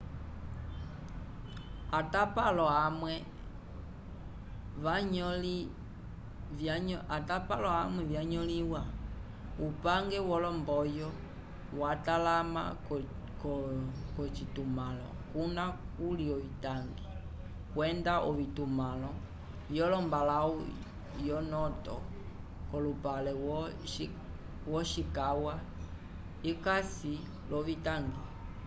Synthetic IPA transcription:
atapalɔamwɛ | ʋaɲɔli | atapalɔamwɛvjaɲɔliwa | upaŋɡɛwɔlɔmbɔjɔ | watalama̰ | kkɔt͡ʃitumalɔ̰kunakuliɔvitaŋɡi | kwɛndaʔɔβitumalɔ | jɔlɔmbalau | jɔnɔtɔ̰ | kɔlupalɛ | wɔʃikawa | ikasi | lɔβitaŋɡi

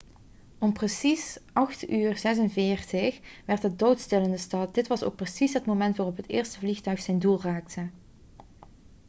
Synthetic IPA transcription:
ɔmprəsisʔɑxtyːrzɛs̬ənvɪːɹtəxʋɛrtədowtstɪləndəstɑt̚dɪtʋɑso̰wk̚prəsisɦətmowmɛntʋaːrɔpɦətɪːɹstəvlixtœɥxsɛjndulˠraːk̚tʰə

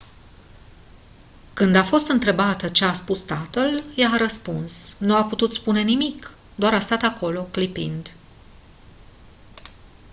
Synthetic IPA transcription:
kɨnd̪afo̞st̪ɨnt̪ɾe̞bat̪ət͡ʃe̞aspust̪at̪əljaːɾəspunsnuaput̪ut̪spune̞nimik | d̪oaɾast̪at̪ako̞lo̞klipḭnd̪

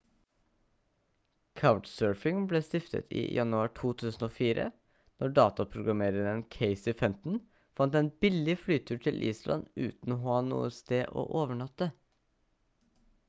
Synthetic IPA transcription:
kʰaʊʈsøːɹfɪŋbleːst̪ɪft̪ʰə̰t̪ʰḭːjɑnʉɑːʈʰuːt̪ʰʉːsn̩oːfiːɾə̰ | nʔɔɖɑːt̪ɑpʰɾʊɡɾɑmeːɾɪŋənkʰeɪsiːfɛmt̪n̩ | fɑnt̪eːnbɪlɪflyːt̪ʰʉːʈʰɪlʔḭːslʔɑ̰nʉ̰ːt̪n̩oːhɑːnṵːəst̪eːʔo̰ːʔoːʋəɳɑt̪ːə

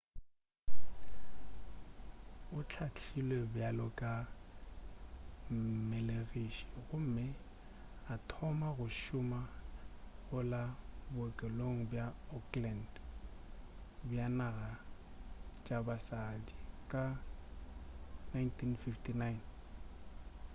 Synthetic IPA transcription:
ʊt͡ɬʰat͡ɬʰilwebjalɔkʼa | meleɣiʃi̥ɣʊm̩ːmɪ | atʰɔmaɣʊʃʊma | ɣʊlabʊkʼɛloŋ̩bjaɔkland | bjanaɣa | t͡ʃʼabasadikʼa | najntʰinfiftʰʼinajn

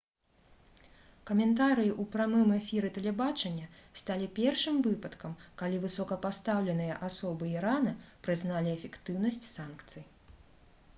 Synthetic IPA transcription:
kɐmʲɛnt̪aɾɨjiʔupɾamɨmɛfʲiɾɨt̪ɛlʲɛbat͡ʂɐnʲːɐst̪alʲipʲɛrʂɨmvɨpɐt̪kɐmkalʲivɨsɔkɐpast̪awlʲɛnɨjɐʔasɔbɨiɾanɐpɾɨznalʲiɛfʲɛkt̪ɨwnɐsʲt͡sʲsankt̪sɨj

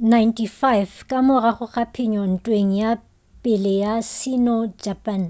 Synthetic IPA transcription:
najntʰifajvkʼamʊraχʊχapʰɪɲɔn̩tʼweŋ̩ja | pʼɪlɪjasɪnɔd͡ʒapʼan

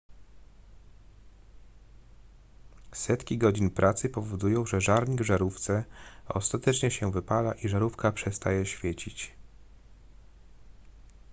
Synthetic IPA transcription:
sɛt̪kʲiɡɔd͡ʑinpɾʔat̪sɘpɔvɔd̪ujɔ̃w̃ʐɛʐaɾɲiɡvʐaɾuft̪sɛɔ̰st̪at̪ɛt͡ʂɲɛɕɛvɘpalaʔiʐaɾufkapʂɛst̪ajɛɕfʲjet͡ɕit͡ɕ

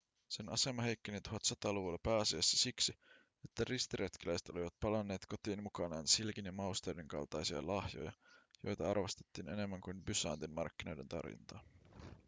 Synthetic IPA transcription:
se̞nɑ̰se̞mɑɦe̞jkːenit̪uɦɑt̪sɑt̪ɑːluʋulːɑpæːɑsiɑsːisiksi | e̞t̪ːærist̪iɾet̪kilæjse̥t̪o̞liʋɑt̪̚pɑlɑnːeːt̪ko̞t̪iːnmukɑnɑːnsilkinjɑmɑust̪eɾiŋkɑ̰lt̪ɑjsiɑ̰lɑhjo̞̰jɑ̰jo̞̰jt̪ɑɑrʋɑst̪e̥t̪ːiːne̞ne̞mːæŋkujmbysɑ̰ːnt̪inmɑ̰rkːino̞jde̞nt̪ɑ̰rjḭnt̪ɑ̰ː

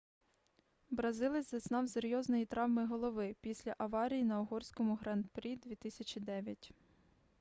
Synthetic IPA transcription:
bɾɐzɪlˠɪzɐznɑwseɾʲjɔznɔjit̪ɾɑʋmɪɦɔlˠɔʋɪpʲisʲlʲɐʔɐʋɑɾʲijinɐɔɦɔrʲsʲkɔmʊɦɾɑnt̪pɾʲid̪ʲʋʲit̪ɪsʲɐt͡ʃʲid̪ɛʋʲjɐtʲ

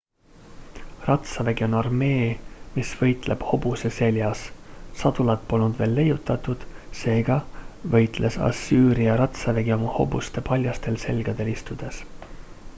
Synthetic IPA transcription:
rɑt̪sɑveɡio̞nɑrme̞ːmisvɤ̞jt̪ˑle̞b̥ho̞b̥use̞se̞ljɑssɑd̪̥ulɑt̪̚po̞lnud̪̥ve̞ːlːe̞jːut̪ˑːɑt̪ud̪̥se̞ːɡ̥ɑvɤ̞jt̪ˑlʔe̞sɑ̰sːyːɾiɑɾɑt̪sɑveɡio̞mɑho̞̰bust̪e̞pɑlʲjɑst̪e̞lse̞̰lɡ̥ɑd̪̥e̞list̪ud̪̥e̞s

